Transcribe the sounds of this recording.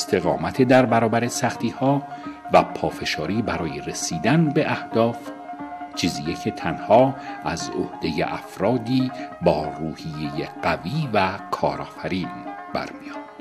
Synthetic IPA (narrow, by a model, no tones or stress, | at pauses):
est̪ʰe̞ɣɒ̰ːmæt̪ʰed̪æɾbæɾɒːbæɾe̞sæxt̪iːhɒːvæpʰɒːfe̞ʃɒːɾiːbæɾɒːje̞ɾesiːd̪ænbe̞ʔæhd̪̥ɒːf | t͡ʃʰiːziːjecʰe̞t̪ʰænhɒːʔæzohd̪̥e̞jḛʔæfɾɒːd̪iːbɒːruːhije̞jeɢ̥æviːvækʰɒ̰ːɾɒːfæɾiːnb̥æ̰ɾmijɒːd̪d̪̥